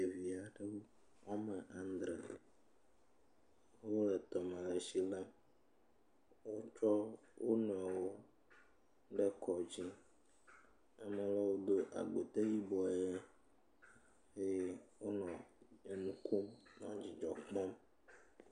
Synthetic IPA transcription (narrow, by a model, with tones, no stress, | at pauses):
e˨vi˨a˨ɖe˦wo˦ | ɔ˦mɛ˨ʔa˨n˦d̪ɾɛ̰˨ | wo˦lɛ˨t̪ɔ˨mɛ̃˨le˨si˦lɛ˦m | wo˦t͡ʃɔ˦ | wʔo˦n˨a˨wo˦ | ɖɛ˦kʰɔ˨d͡ʑi˦ | ɛ˦mɛ˨lɔ˦wo˦d̪o˦ʔa̰˨ɡ͡bo˨t̪e˦ji˦bɔ˨je˦ | e˦wo˦nɔ̃˨e˨nũ˦ko˦mnɔ̃˦d͡ʑi˨d͡ʒɔ˨k͡pɔ˦m